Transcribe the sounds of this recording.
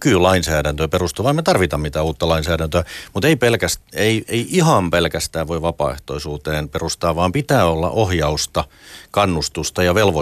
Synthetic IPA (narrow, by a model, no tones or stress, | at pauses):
kyːlɑinsæːɾænt̪øperust̪uːʋɑimːet̪ɑrʋit̪ɑmmit̪æːuːt̪ːɑlɑinsæːɾænt̪øæmut̪eipelkæsteieiʔihɑmpelkæst̪æːʋʋoiʋʋɑpɑ̰ːḛht̪o̰isuːt̪eːnperust̪ɑːʋʋɑːmpit̪æːolːɑ̰ʔohjɑust̪ɑkɑnːust̪ust̪ɑjɑʋelʋo